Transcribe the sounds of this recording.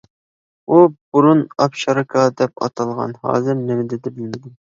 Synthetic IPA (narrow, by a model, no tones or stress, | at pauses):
ub̥uɾunɑpʃɑɾɑkʰɑd̪ɛp̚ɑ̰t̪ʰɑlˠʁɑ̰nhɑ̰ːzɨɾnɪmɪd̪ɛd̪ɛbɪlmɪd̪ɪm